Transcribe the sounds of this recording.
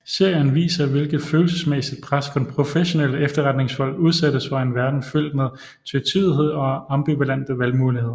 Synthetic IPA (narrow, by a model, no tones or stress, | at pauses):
se̝ɐ̰jənʋḭːsɐʋe̝lɡ̥ð̩ˠføːl̩səsmesið̥̚pʰʁaskʰud̥enpʰʁo̝feɕo̝nel̰əefd̥ɐʁad̥ne̝ŋshɒ̽l̰uð̞ˠsæd̥əsfɑ̈e̝nʋæɐd̥n̩føl̰d̥meðˠ | t͡sʰyt͡sʰiðˠɦe̝ð̰ˠɒ̽ɑ̈mb̥iʋælæn̰d̥əʋælmuːlihe̝ð̰ˠɐ